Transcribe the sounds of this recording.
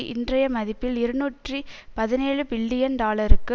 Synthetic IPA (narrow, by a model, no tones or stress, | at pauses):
ʔɪ̰ndrɐjɐmɐðɪpːɪlɪɾɯnuːʈripɐðɪneːɻɯpɪɭːɪjɐnɖaːlɐɾɯkːɯ